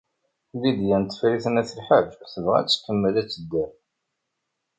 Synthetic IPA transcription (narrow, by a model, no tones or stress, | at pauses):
lːid̪jænt̪ːfɾiθənæθəlħəvθəvʁæ̰t͡sːə̥t̪ːəmːæðæt͡sːəd̪ːæɾ